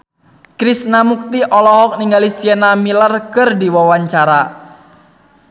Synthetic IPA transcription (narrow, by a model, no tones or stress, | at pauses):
kɾisnamuk̚t̪iʔɔlɔɦɔk̚niŋɡalisiɛnamilarkɨrdiwawaɲt͡ʃaɾa